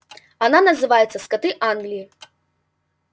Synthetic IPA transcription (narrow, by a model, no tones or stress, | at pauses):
ananɐzɨvajɛt̪sːɐskat̪ɨʔanɡlʲiji